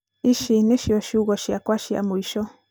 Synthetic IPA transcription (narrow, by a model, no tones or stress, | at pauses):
iʃineʃjɔʃuɣɔʃjakwaʃja̰muiʃɔ